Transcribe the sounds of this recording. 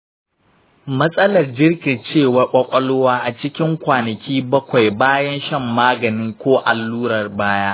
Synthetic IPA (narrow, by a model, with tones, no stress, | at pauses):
mɐ˦sʼɐ˦lɐ˨rd͡ʒɪ˦rkʲɪ˨t͡ʃeː˦˨wɐ˦kʷʼɐ˦kʷʼɐ˦lʊ˦waː˦ʔa˨t͡ʃɪ˦kʲɪ˦ŋkʷaː˨nɐ˨kʲʰiː˦bɐ˦kʷa˨jbaː˦jɐ˦nʃɐ˦˨mːaː˦ɡɐ˨nɪ˦ŋkʷoː˦ʔa˨lːuː˦ɾɐ˨rbaː˦jaː˦